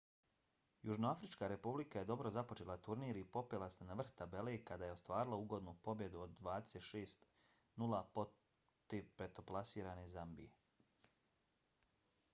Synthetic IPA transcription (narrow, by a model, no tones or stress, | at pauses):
juʒnoafɾit͡ʃkaɾe̞publikaje̞d̪o̞bɾo̞zapo̞t͡ʃe̞lat̪uɾniːɾipo̞pelˠasenaʋr̩xt̪abe̞lekad̪aːje̞ost̪ʋaːɾilauɡo̞d̪nupo̞bje̞d̪uod̪ːʋaːd̪eset̪ʃeːst̪ | nulˠapo | t̪iʋpɾe̞t̪o̞plˠasiːɾanezambḭje